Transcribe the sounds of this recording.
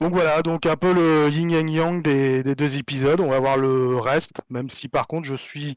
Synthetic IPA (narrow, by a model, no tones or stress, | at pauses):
d̪ɔ̃kvwalad̪ɔ̃kɛ̃pøləjiŋaŋjɔ̃ŋd̪ed̪ed̪øzepizɔd̪ɔ̃vavwaʁləʁɛst̪mɛmsipaʁkɔ̃t̪χʒəsɥi